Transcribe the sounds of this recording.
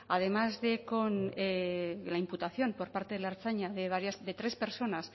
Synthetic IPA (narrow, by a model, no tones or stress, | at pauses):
að̞e̞mazðe̞konelaimput̪aθjo̞mpo̞ɾpaɾt̪e̞ð̞e̞laeɾt͡saɲaðe̞βaɾjasðe̞t̪ɾe̞spe̞ɾso̞nas